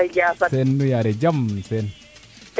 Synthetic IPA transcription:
d͡ʒasasɛnːujaɾɛd͡ʒamsɛn

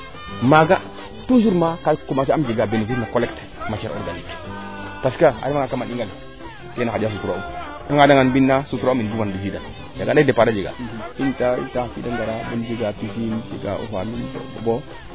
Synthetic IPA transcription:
maɡa | tuʃuɾmakakomasiamd͡ʒeɡabenefis̬makolekt | mat͡ʃeɾo̰ɾɡanikpaskaa̰dimaŋɡakamaniŋɡal | tenakadas̬utuɾo | aŋɡadaŋanbinːasutuɾomindumandis̬idan | jaɡanadepaɾad͡ʒeɡa̰intaḭntafḭdaŋɡaɾanemd͡ʒiɡapifind͡ʒḛɡa̰ʔṵɦamibo̰bo̰bo

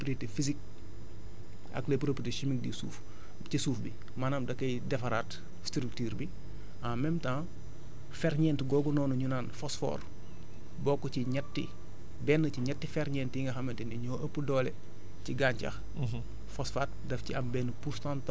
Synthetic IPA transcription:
opɾietefizik̚ | ɐ̰klepɾopieteʃimik̚dḭsṵːf | cisuːfbḭ | maːnaːmdɐkːɐjdɛfɐɾaːt | stɾik̚tiːɾbi | amɛmtãː | fɛɾɲɛːntɡɔːɡɔnɔːnuɲunaːnfɔsfɔ̰ːr | bɔkːɔciɲɛtːḭ | bɛnːəciɲɐtːifɛɾɲɛːntiŋɡɐxɐmːɐntɛniɲɔːʔɐpːədɔːlɛ | ciɡaːɲcɐ̰x | fɔsfat̚dɐfciɐmbɛːnəpuɾstant

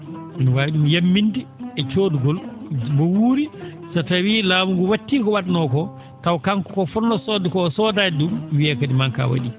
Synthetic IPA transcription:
minwajiɗumjamːindiɛt͡ʃoːduɡɔlbɔwuːɾi | satawilaːmuɡɔwatːiːkɔwadnɔkɔ | tawkaŋkkɔfɔnːɔsɔdɛkɔsɔːdaːdumwiakadimaŋka̰wa̰ɗi

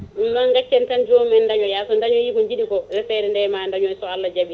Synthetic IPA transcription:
nːaŋɡat͡ʃːɛntand͡ʒomɛndaɲɔjasɔndaɲɔjikɔɲd͡ʒiɗikɔɾɛfɛɾɛndɛmandaɲɔsɔalːad͡ʒabi

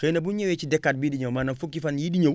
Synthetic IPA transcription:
kejnɐbuɲewet͡ʃidɛkːat̚bidiɲomanɐfukːifanjidiɲo

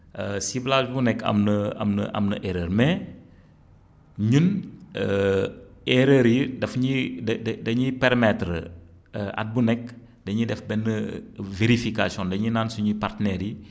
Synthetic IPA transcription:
əsiblat͡ʃbunɛkʰːɐ̰mnəɐ̰mnə̰ʔɐ̰mnəʔɛɾəːɾmɛ | ɲunə | ɛɾəɾidɐfɲidɐddɐɲipɛɾmɛtɾə | ʔɐ̰t̚bunɛk̚ | dɐɲidɛfbɛnːəveɾifikasjɔ̃ndɐɲinansuɲipartnɛɾi

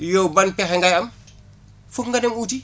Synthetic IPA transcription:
jɔwbɐnpɛxɛŋɡajɐm | fukŋɡadɛmuːti

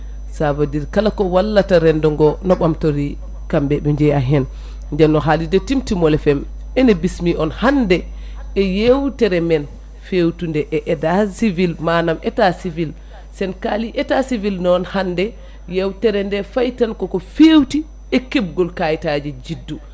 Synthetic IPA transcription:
sabadiɾkalakɔwalːataɾɛndɔŋɡɔnɔɓamtoɾi | kambɛɓɛɲd͡ʒɛjaɦɛn | ɲd͡ʒɛmnɔɦalidɛtːimtimɔlɛfɛm | ɛnɛbismiʔɔnhandɛ | ɛjewtɛɾɛmɛn | fewtundɛʔɛʔɛdasivilmanamɛtasivil | sɛnkaliʔɛtasivilnɔnhandɛ | jewtɛɾɛndɛfajtankɔkɔfewti | ɛkeb̚ɡɔlkajtad͡ʒɛd͡ʒidːu

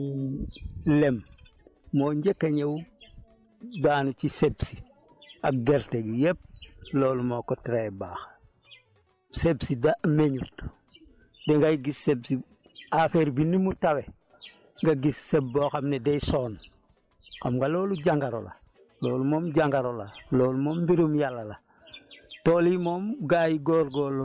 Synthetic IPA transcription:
lemː | oːɲɟekːaɲew | daːnut͡ʃisebsi | akɡeɾteɡijep̚loːlumokotiɾebaːx | sebsidameɲut | deŋɡajiɡisːebsi | afeɾbinimutawe | ŋɡaɡisːeboxamnedejsoːn | kamŋɡaloːluɟaŋɡaɾo̰la̰ | loːlumoːmɟaŋɡaɾolaloːlumoːmbiɾumjalːala | toːlimoːmɡajiɡoːɾɡoːl

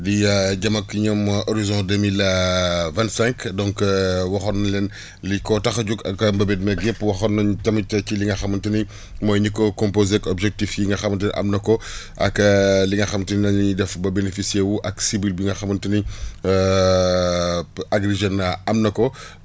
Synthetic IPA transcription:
diɟɐmɐkːɲɔmʔoɾizɔ̃demil | vɛ̃ntsɛ̃ŋkdɔ̃ŋkwɐxɔnɐlɛn | likɔtɐxɟukɐkmbɐbɛd̚mɛɡepːwɐxɔnɐɲtɐmitɐciliŋɡɐxɐmɐntuni | mɔːjɲikɔkɔ̃mpozekɔbʒɛk̚tifjiŋɡɐxɐmɐntəniʔɐ̰mnɐkɔ | ʔɐ̰kliŋɡɐxɐmtuninɐɲɲidɛfbɐbenefisiɛwuʔɐksibilbiŋɡɐxɐmɐntuni | aɡɾiʒenɐɐmnɐkɔ

